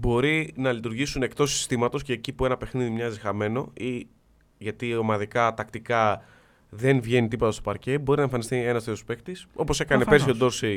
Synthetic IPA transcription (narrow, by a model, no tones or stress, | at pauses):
bo̞ɾinɐlit̪uɾʝisune̞kt̪o̞si̥st̪imɐt̪o̞sce̞ːcipue̞nɐpe̞xniðimɲɐzixɐme̞no̞i | ʝɐt̪iomɐðikɐt̪ɐkt̪ikɐ | ðe̞nvʝe̞nit̪ipo̞t̪ɐst̪o̞pɐɾce̞bo̞ɾinɐeɱfɐnist̪ie̞nɐst̪et̪ospe̞kt̪iso̞po̞se̞kɐnepesiod̪o̞ɾsi